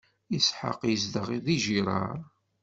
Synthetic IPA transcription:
əsħə̰qjəzd̪əʁiðiʒiɾˤɑ̰ɾˤ

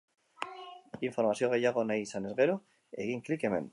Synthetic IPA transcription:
iɱfoɾmasjoŋɣeʎaɣonajsanezɣeɾo | ḛɣiŋklikemḛ̃n

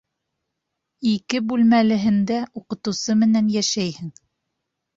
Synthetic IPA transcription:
ikɘbʉlmælɘ̆ɦɘ̆nd̪æʔuqɤ̆t̪ɤ̆wsɤmɘ̆nænjæʃæjhɘŋ

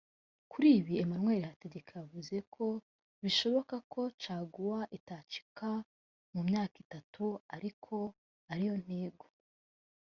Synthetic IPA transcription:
kʰuɾiːβiemamŋwe̞ːɾehate̞ɟe̞kʰajavuze̞kʰo̞ | βiʃo̞βo̞kakʰo̞t͡ʃaːɡuwaʔitaːt͡ʃi̥ka | mumɲaːkitatuaɾikʰo̞ | aɾijo̞n̥eːɡo

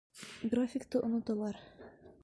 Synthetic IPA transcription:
ɡrafʲɪkt̪ɤʔŏnŏt̪ɑlˠɑɾ

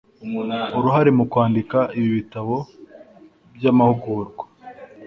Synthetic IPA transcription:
uɾuɦaɾe̞mukwaːndikaiβiβitaβo | bjamahuɡuɾɡwḁ

